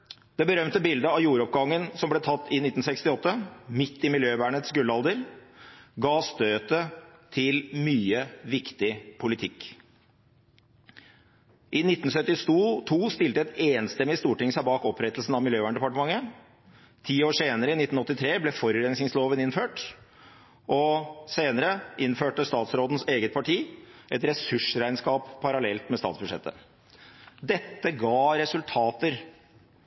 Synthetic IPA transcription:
d̪̥ɛbəɾœmt̪əbɪld̪əɑʋjuːɾɔpɡɑŋːənsɔmblɛːt̪ʰɑt̪ːɪnɪt̪ːn̩sɛkst̪ɪɔt̪ːəmɪt̪ːɪmɪljøːʋæːɳət̪sɡɾʉlɑld̪əɾ | ɡɑːst̪øːt̪ət̪ʰɪlmyːəʋɪkt̪ɪpʰʊlɪt̪ʰɪk | ʔɪnɪt̪ːn̩sœt̪ːɪst̪uːt̪ʰuːst̪ɪlt̪əɛt̪eːnst̪ɛmːɪst̪uːʈɪŋsæɪbɑːkɔpɾɛt̪lsn̩ɑʋmɪljøːʋæːɳɖɛpɑʈəmɑŋːə | t̪ʰiːoːʂeːnəɾəɪnɪt̪ːn̩ɔt̪ːɪt̪ʰɾeːblɛfɔɾʉɾɛnsnɪŋsloːʋənɪnføːʈ | ʔɔseːnəɾəʔɪnføːʈəst̪ɑːt̪sɾoːd̪n̩seːɡət̪̚pʰɑʈʰiːʔɛt̪ɾɛsʉʂɾæɪnskɑːpʰːɑɾɑlɛlt̪mɛst̪ɑ̰ːt̪sbʉʂɛ̰t̪ːə̰ | d̪ɛt̪ːəɡɑːɾɛsʉlt̪ʰɑːt̪əɾ

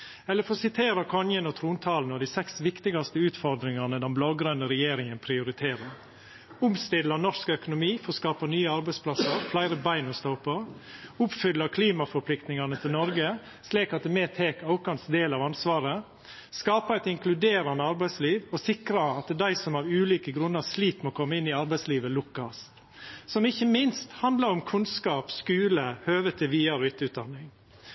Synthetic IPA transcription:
ɛlːəɾfɔsɪt̪ʰeːɾəkʰɔnjənɔt̪ʰɾuːnt̪ʰɑːlnɔd̪iɪsɛksʋɪkt̪ɪɡɑst̪əʉːt̪fɔɾd̪ɾɪŋɑnəd̪ɛnblɑːɡɾœnɔɾɛjeːɾɪŋənpʰɾɪʊɾɪt̪ʰeːɾəɾ | ʊmst̪ɪd̪lɑnɔskœkʊnʊmiːfɔskɑːpɑnyːəɑɾbæɪspʰlɑsəɾflæɪɾəbæɪnɔst̪ɔʊpəɾʊpfʏlːɑkʰliːmɑfɔɾpʰlɪkt̪nɪŋɑnət̪ʰɪlnɔɾɡə | sliːkɑt̪̚d̪ɛmet̪ʰeːkɑʊkɑnsd̪eːlɑʋɑnsʋɑːɾə | skɑːpɑɛɪt̪ɪŋkʰlʉd̪eːɾɑnəɑɾbæɪsliːʋɔsɪkɾɑɑt̪d̪æɪsɔmɑɾʉːliːkəɡɾʉnːəɾsliːkmoːkʰɔmːəɪnːɪɑɾbæɪsliːʋəlʊkːɑst̪ | sɔmɪçːəmɪnst̪hɑnd̪ləɾɔmkʰʉnskɑːpskʉːləhøːʋət̪ʰɛʋiːɑɾɔɪt̪əʉːt̪̚d̪ɑnːɪŋ

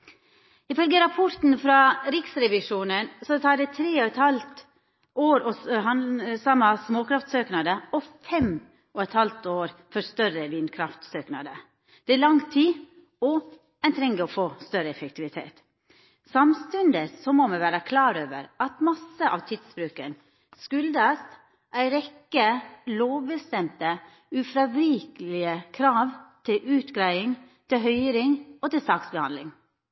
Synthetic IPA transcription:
ɪfœlɡəɾɑpʰɔɾt̪n̩fɾɑɾɪksɾɛʋɪʂuːnənsɔt̪ʰɑːɖɛt̪ʰɾeːɔɛt̪hɑlt̪ | ʔoːɾɔsɦɑsɑmːɑsmoːkʰɾɑft̪søːknɑd̪əɔfɛm | ɔɛt̪hɑlt̪oːɾfɔɾst̪œɾəʋiːnkʰɾɑft̪søːknɑ̰d̪ə | d̪̥ɛæɭɑŋt̪ʰiː | ɔ | ɛnt̪ʰɾɛŋɡəɔfoːst̪œɾəɛfək̚t̪ʰɪʋɪt̪ʰḛːt̪ | sɑmst̪ʉnd̪əsɔmɔmɛʋæːɾəkʰlɑːɾøːʋə̰ɾɑt̪mɑsəʔɑ̰ʋt̪ʰiːd̪sbɾʉːkən | skʉld̪ɑs | ʔæɪɾɛkːəloːʋbəst̪ɛmt̪ə | ʉfɾɑʋɾiːkəlɪəkʰɾɑːʋt̪ʰɪlʉːt̪ɡɾæɪɪŋ | t̪ʰɪɦœʏɾɪŋɔt̪ɪlsɑːksbəhɑ̰nd̪lɪ̰ŋ

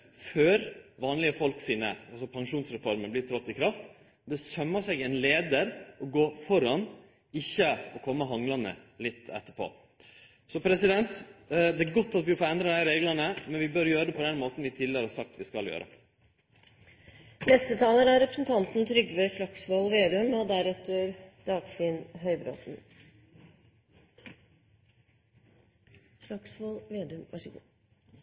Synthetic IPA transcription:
føːɾʋɑːnlɪəfɔlksiːnə̰ɑlsɔpʰɑŋʂuːnsɾɛfɔɾməblɪt̪ʰɾɔt̪ːɪkʰɾɑft̪ | d̪ɛsœmːəʂɛɡɛnleːd̪əɾɔɡoːfɔɾɑn | ɪçːəɔkʰɔmːəɦɑŋlɑnə̰lɪt̪ːɛ̰t̪ːəpʰo̰ː | sɔpʰɾɛsɪd̪ɛnt̪d̪ɛæɾɡɔt̪ːɑt̪ʋɪfoːɾɛnd̪ɾɑd̪æɪɾeːɡlənəmɛnʋɪbœɾjøːɾəd̪ɛpʰɔd̪ɛnmoːt̪n̩ʋɪt̪ʰɪləɾhɑsɑk̚t̪ʋɪskɑljø̰ːɾʔə̰ | nɛst̪ət̪ʰɑːləɾæɾɛpɾəsnt̪ʰɑnt̪n̩t̪ʰɾʏɡʋeʂɭɑksʋoːlʋeːd̪ʉmɔd̪æɾɛt̪ːəɾd̪̥ɑːɡ̥fɪnɦœʏbɾo̰ːt̪n | ʂɭɑksʋolʋeːd̪ʉmʋæ̰ʂəɡṵː

